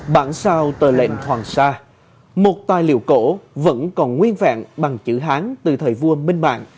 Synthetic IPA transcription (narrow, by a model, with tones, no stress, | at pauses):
ɓaː˧˩nsaː˧wt̪əː˨˩lḛ˧˨nh̪ʰwaː˨˩ŋsaː˧ | mo˨˩t̚t̪aː˨˩jlḭ˧˨əwko̰˧˥və̰˧˥nkɔ˨˩nŋwi˧ənva̰ː˧˨ŋɓa˨˩ŋt͡ɕɨ̰˧˥ɦaː˨˦nt̪ɨ˨˩t̪ʰəː˨˩jvu˧əmï˧ŋ̟ma̰ː˧˨n